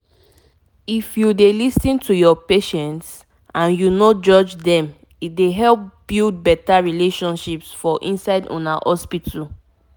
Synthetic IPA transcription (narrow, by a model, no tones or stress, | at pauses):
ifjudelisĩntujɔpeʃɛ̃nts | ãnjunod͡ʒɔd͡ʒdɛ̃m | it̚deɦɛlp̚b̥ild̚bɛtaɹileʃɔ̃nʃipsfɔʔḭ̃nsaɪdɔ̰̃na̰hɔspitʰu